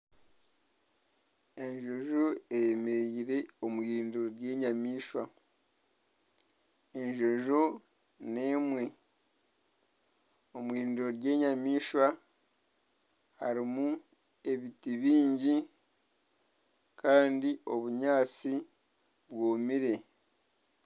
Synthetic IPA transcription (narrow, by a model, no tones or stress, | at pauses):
e̞ɲʒo̞ʒoejemeiɾe̞omwiːɾiːndiɾo̞ɾje̞ːɲamiːʃwa | e̞ɲʒo̞ʒo | ne̞ːmwe̞ | o̞mwiːɾiːndiɾo̞ɾje̞ːɲamiːʃwa | haɾimu | e̞βitiβiːɲɟi | kʰaːndiʔo̞βuɲaːt͡si | βwoːmiɾe̞